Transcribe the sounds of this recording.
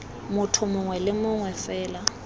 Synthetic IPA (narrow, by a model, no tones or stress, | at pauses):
mʊtʰʊmʊŋwɛlɪmʊŋwɛfɛːla